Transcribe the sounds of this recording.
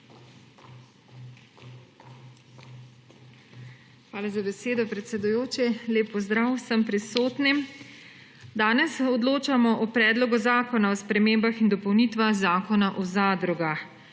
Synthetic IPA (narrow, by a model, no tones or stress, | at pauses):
xʋaːlazabɛseːd̪ɔpɾɛt̪sɛd̪ujoːt͡ʃileːpːɔzd̪ɾawsəmpɾisoːt̪nim | d̪aːnɛsɔd̪loːt͡ʃamɔʔɔpɾɛːd̪lɔɡuzaːkɔnaɔspɾɛmeːmbaxind̪ɔpɔwnit̪ʋaxzaːkɔnaʔɔzaːd̪ɾɔɡax